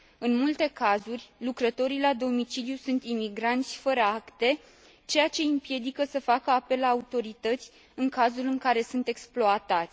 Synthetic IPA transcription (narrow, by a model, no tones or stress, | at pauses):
ɨnmult̪e̞kazurʲlukɾət̪o̞ɾilad̪o̞mit͡ʃiljusunt̪imiɡɾant̪sʲfəɾəakt̪e̞ | t͡ʃe̞jat͡ʃe̞ɨmpje̞d̪ikəsəfakəape̞lːaːut̪o̞ɾit̪ət̪sʲ | ɨŋkazulɨŋkaɾe̞sunt̪e̞ksploat̪at̪sʲ